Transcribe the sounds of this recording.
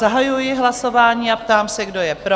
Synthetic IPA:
aɦajujɪɦlaso̞vaːɲiːapt̪aːmsɛɡdo̞jɛpɾo

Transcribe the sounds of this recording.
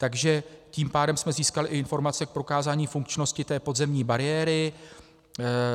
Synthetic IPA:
t̪aɡʒɛciːmpaːdɛmsmɛziːskalɪʔɪɪnfo̞ɾmat͡sɛk̚pɾo̞kaːzaːɲiːfuŋkt͡ʃno̞scɪt̪ɛːpo̞dzɛmɲiːbaɾɪjɛːɾɪ

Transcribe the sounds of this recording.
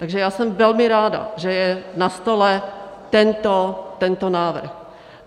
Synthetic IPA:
t̪aɡʒɛjaːsɛmvɛlmɪɾaːda̰ʒɛjɛnast̪olɛt̪ɛnt̪ot̪ɛnt̪onaːvr̩x

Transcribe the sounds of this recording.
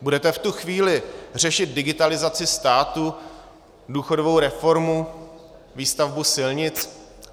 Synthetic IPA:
budɛt̪ɛft̪uxviːlɪr̝ɛʃɪt̪̚dɪɡɪt̪alɪzat͡sɪst̪aːt̪u | duːxodovowɾɛfo̞ɾmu | viːst̪avbusɪlɲɪt͡s

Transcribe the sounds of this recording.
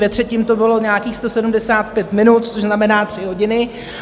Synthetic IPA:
jɛt̪r̥ɛcɪmt̪obɪlo̞ɲaːkiːxst̪osɛdumdɛsaːt̪pjɛt̪mɪnut̪t͡soʒznamɛnaːt̪r̥ɪɦo̞ɟɪnɪ

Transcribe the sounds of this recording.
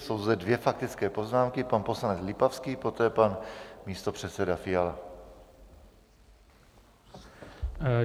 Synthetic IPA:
so̞wzd̪ɛdvjɛfakt̪ɪt͡skɛːpo̞znaːmkɪpanpo̞slanɛt͡slɪpafskiːpo̞t̪ɛːpanmiːst̪o̞pr̝̥ɛt̪t͡sɛdafɪjala

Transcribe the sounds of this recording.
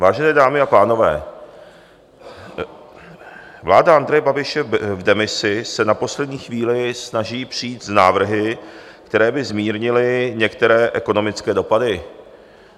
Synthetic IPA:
vaːʒɛnɛːdaːmɪapaːno̞vɛ̰ː | vlaːdaʔand̪ɾɛjɛbabɪʃɛvdɛmɪsɪsɛnapo̞slɛd̪ɲiːxviːlɪsnaʒiːpr̝̥iːt̪znaːvr̩ɦɪ | kt̪ɛɾɛːbɪzmiːɾɲɪlɪɲɛkt̪ɛɾɛːʔɛko̞no̞mɪt͡skɛːdo̞padɪ

